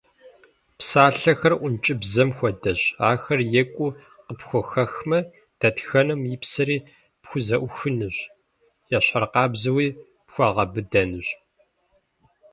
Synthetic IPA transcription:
psaːɬɐxɐrʔʷʊnt͡ʃʼɪbzɐmxʷɔdɐɕaːxɐrjɛkʷʼʊ | qəpxʷɔxɐxmɐ | d̥ɐtxɐnɨmjipsɐɾiː | pxʷʊzɐʔʷʊxɨnɨɕ | jɛɕɐrqɑːbzɨwiː | pxʷɑʁɐbɨdɐnɨɕ

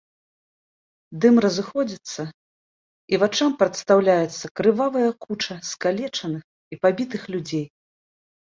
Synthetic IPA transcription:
d̪ɨmrɐzɨxɔd͡zʲit̪sːɐ | ivat͡ʂampɾɐt̪st̪awlʲajɛt̪sːɐkɾɨvavɐjɐkut͡ʂɐskalʲɛt͡ʂɐnɨx | ipabʲit̪ɨxlʲud͡zʲej

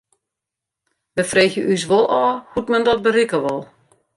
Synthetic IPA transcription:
ʋəfreːxjəʔys̬ʋolˠɔːhutmɛndɔt̚bərikəʋɔlˠ

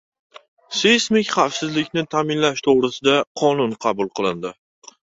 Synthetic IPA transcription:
sesmɪkʲχɑfsɪzlɪkʲnɪt̪ʰaːmɪnlaʃt̪ʰoʁɾɪsɪd̪aqʰɒnʊnqʰɑbʊlˠqʰɨlˠɪnd̪ɪ

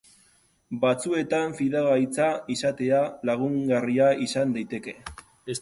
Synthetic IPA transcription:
bat͡sue̞t̪aɱfiðaɣajt͡saisat̪e̞alaɣuŋɡariaisand̪ajt̪e̞ke̞

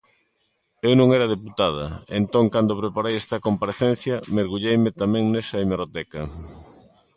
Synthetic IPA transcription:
ewnõŋɛɾɐð̞eput̪að̞ɐ̰ent̪oŋkand̪opɾepaɾejest̪ɐkompaɾeθen̟θjɐmeɾɣuʎejmɪt̪amɛ̃ŋnɛsɐimeɾot̪ɛkɐ

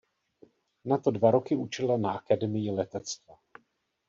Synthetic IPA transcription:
nat̪o̞dvaɾo̞kɪut͡ʃɛlanaakadɛmɪjɪlɛt̪ɛt͡st̪va

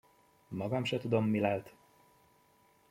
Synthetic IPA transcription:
mɒɡɒmʃɛt̪ud̪o̞mːilalt̪

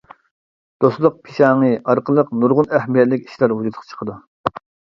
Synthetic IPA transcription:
d̪̥oslˠʊq̚pʰi̥ʃɑːŋɨɑɾqəlˠəqnuɾʁʊnæhmijɛt̪lɪkʲi̥ʃlæɾɦud͡ʒut̪ʰqʰt͡ʃʰə̥qʰəd̪u

